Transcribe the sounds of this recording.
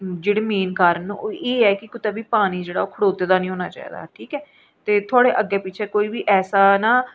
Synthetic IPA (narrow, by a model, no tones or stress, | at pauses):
d͡ʒeːɽeːmeːnkaːɾənoʔeːɛːkɪkʊt̪aːbiːpaːɽ̃iːd͡ʒeːɽaːoːkʰəɽoːd̪eːd̪aːnĩːɦoːna̰ːt͡ʃa̰ːḭːd̪a̰ːʈʰiːkɛː | t̪eːt̪ʰʊaːɽeːʔəɡeːpɪːt͡ʃʰeːkoːiːbiːʔɛːsaːnãː